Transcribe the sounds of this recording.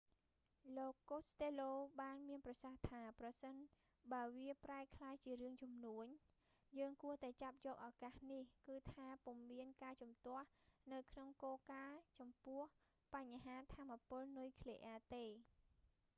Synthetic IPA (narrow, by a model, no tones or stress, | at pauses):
loːkːost̪eːloːɓaːnmiənprɑsaht̪ʰaːprɑsən | ɓaəʋiəpraɛkʰlaːjt͡ɕiəɾɨəŋt͡ɕumnuəɲ | jəːŋkuəht̪aɛt͡ɕap̚jɔːk̚ʔaːkaːhnihkɨːt̪ʰaːpumːiənkaːt͡ɕɑmt̪ŏəhnɨwkʰnoŋkoːkaːt͡ɕɑmpʊəh | paɲɦaːt̪ʰaːmːapʊ̆əlnujkʰleʔɛət̪eː